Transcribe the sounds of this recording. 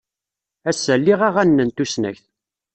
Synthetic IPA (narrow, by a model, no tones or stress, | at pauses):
æsːəlːiʁaʁænːənt̪usnæ̰çθ